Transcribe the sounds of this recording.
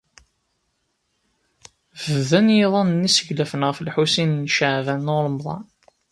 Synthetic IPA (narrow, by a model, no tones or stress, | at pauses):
vəðænjeðˤɑnənisəʝlæfənʁfəlħusinnʃaʕvænːoləmðˤɑ̰n